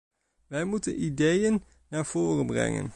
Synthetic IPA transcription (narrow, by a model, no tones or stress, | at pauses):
ʋɛjmutənidejənː | aːɹv̥oːrənbrɛ̰ŋə̰n